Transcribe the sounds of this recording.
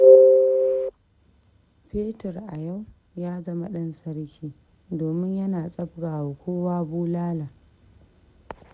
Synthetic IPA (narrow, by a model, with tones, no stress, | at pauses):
ɸeː˦tɐ˨rʔa˨ja˦˨w | jaː˦zɐ˦ma˦ɗɐ˦nsɐ˦ɾkʲiː˦ | doː˨mɪ˦ɲjɐ˦naː˨sʼɐ˦b̚ɡaː˨wo˨kʷoː˦waː˦buː˦laː˦laː˨